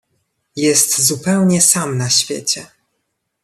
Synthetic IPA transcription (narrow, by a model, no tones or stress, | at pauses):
jɛst̪zupɛwɲɛsamnaɕfʲjḛt͡ɕɛ